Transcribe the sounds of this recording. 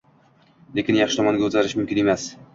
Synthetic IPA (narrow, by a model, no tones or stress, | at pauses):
le̞kʲɪnjɑχʃɪ̥t̪ɒmɒŋɡʲaɵzaɾɪʃmʊmkʲɪne̞mas